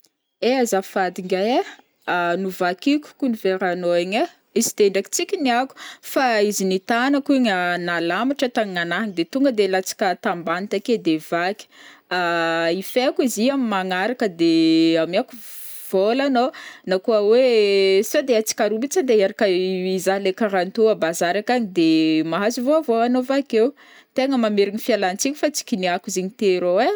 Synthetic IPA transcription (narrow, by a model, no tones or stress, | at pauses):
eazafad̪iŋɡaja | nuvakikʲu̥kuniveɾanoeɲa | izi̥t̪eɳɖ͡ʐaki̥t͡sikʲiniaku̥faizinit̪anakuiɲanalamiʈ͡ʂət̪aŋiŋanaɦiŋid̪et̪uŋɡəd̪elat͡si̥kʲət̪ambanit̪aked̪evakʲi̥aifeakiziamimaŋaɾakəd̪eamiaku | v̥olanonakuəwesod̪eat͡si̥kʲaɾubit͡sad̪eeɾakəizaɦlekaɾant̪uəbazaɾakaɲid̪emaɦazivoavoanovakew | t̪eŋəmameɾinɲifialant͡sikʲu̥fat͡si̥kʲiniakuziɲit̪eɾowe